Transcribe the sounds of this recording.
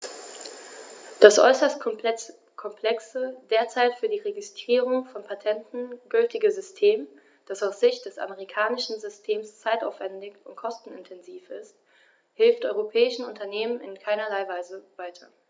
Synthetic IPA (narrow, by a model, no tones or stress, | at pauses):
d̥asʔɔ̰ʏsɐst | kʰɔmpl̥ɛksəd̥eːɐt͡saɪtfyːɐdiːʁeɡɪstʁ̥iːʁʊŋfɔnpʰatʰɛntn̩ɡ̥ʏltɪɡəzʏstʰeːm | d̥asaʊsz̥ɪçt̚d̥ɛsa̰məʁikʰaːnɪʃn̩zʏstʰeːmst͡saɪta̰ʊfv̥ɛndɪçʊntkʰɔstn̩ɪ̰ntʰɛnziːfɪst̚ | hɪlftʔɔʏʁopʰɛːɪʃn̩ʊntɐneːmənɪ̰nkʰaɪnɐlaɪvaɪzəvaɪtʰɐ